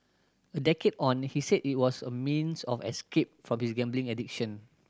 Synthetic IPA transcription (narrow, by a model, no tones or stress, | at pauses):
ədɛkedɔ̃nhisedit̚wɔsəmĩnsɔfɛ̰skep̚fɹɔ̃mhisɡɛ̃mblĩŋɛdikʃə̃n